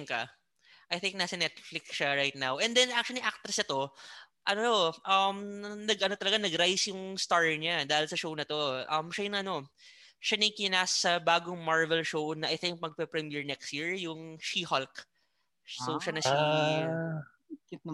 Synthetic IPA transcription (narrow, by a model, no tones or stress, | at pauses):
ŋkɐ | ʔɐjθɪŋk̚nɐsɐnɛt̪̚flɪksʃaɹajt̪̚nawʔɛnd̪ɛnʔak̚t͡ʃʊɐliʔak̚t̪ɾɛsɐt̪o̞ | ʔɐnot̪o̞ʔɐmnɐɡʔɐnot̪ɐlɐɡanɐɡɾajsjʊŋst̪aɹɲad̪aːhɪlsɐʃownɐt̪o̞ʔɐmʃɐjʊnɐʔɐno̞ | ʃanɐjkɪnaːsɐbaːɡoŋmaɹvɛlʃo̞wnɐʔɐjθɪŋk̚mɐɡ̚pɛpɾɛmjɛɹnɛkst̪jiɹjʊŋʃihalk | soʃanɐʃi | kɪt̪̚